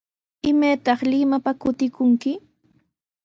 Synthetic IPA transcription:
ɪmajt̪ɑχlɪmapakʊt̪ɪkʊŋkɪ

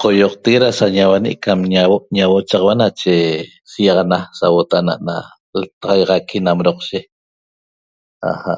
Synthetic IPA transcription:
qojoq̚t̪eɣeɾasaɲawanḭʔkamɲawoʔɲawot͡ʃɑʁɑwanat͡ʃe | sijɑʁɑnasawot̪ana̰ʔna̰ | lt̪ɑʁɑjʁɑkʰinamɾoqʃe | a̰ha̰ʔ

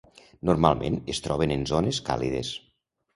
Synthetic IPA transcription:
nuɾmalˠmʔḛnest̪ɾɔβenenzoneska̰liðḛs

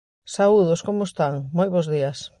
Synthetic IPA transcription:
sauðʊskomʊest̪aŋmojβozðias

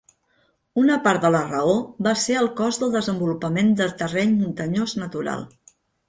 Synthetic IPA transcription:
unəpaɾt̪̚ðələrəoβaseəlˠkɔzðəlˠd̪əzəmbulupəmend̪ət̪ərɛʎmunt̪əɲoznət̪uɾa̰lˠ

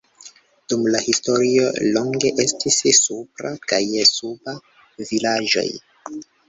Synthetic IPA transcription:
d̥umlahisto̞ɾio̞̰loŋɡe̞ʔestissupɾa̰kajsuba | vilad͡ʒo̞̰j

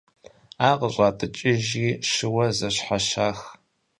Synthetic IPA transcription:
aːqəɕʷʼaːtʼɨt͡ʃʼɪʒiːʃɨwɐzɐɕħaʃaːx

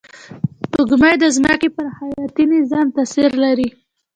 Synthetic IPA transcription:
ʊɡmajd̪əzməkepəɾhajɑt̪inɪzɑmt̪asiɾlaɾi

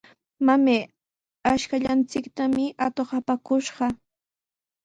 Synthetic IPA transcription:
mame | aʃkaʎant͡sɪkt̪amɪʔat̪oχɑpakʊʃɢɑ

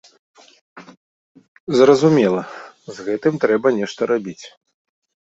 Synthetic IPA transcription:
zrɐzumʲɛlˠɐzɣɛt̪ɨmt̪ɾɛbɐnʲɛʂt̪ɐɾabʲit͡sʲ

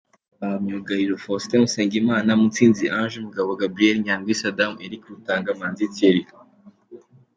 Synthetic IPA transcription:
βamɲuɡaɾiɾofosi̥temuseːŋɡimaːnamut͡siːnziʔanʒumuɡaβoɡabɾieɾiɲaːŋɡwisadameɾikɾutaːŋɡamaːnziteɾi

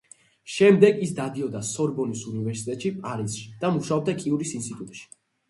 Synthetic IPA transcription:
ʃɛmd̪ɛɡisd̪ad̪iɔd̪asɔɾbɔnisunivɛɾsit̪ʼɛt̪ʼʃipʼaɾisʃi̥d̪̥amuʃaɔb̚d̪akʼiuɾisint̪st̪ʼit̪ʼut̪ʼʃi̥

